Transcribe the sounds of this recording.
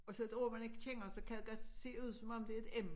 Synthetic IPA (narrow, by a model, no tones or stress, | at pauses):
ɒ̽sɒ̽e̝d̥o̝ɐ̰mæne̝ɡ̥ə̥t͡ɕʰeŋ̰ɐsɒ̽kʰæðeɡ̥ɒ̽d̥se̝̰ːuð̞̰ˠsɒ̽mɒ̽m̰d̥eɐe̝d̥em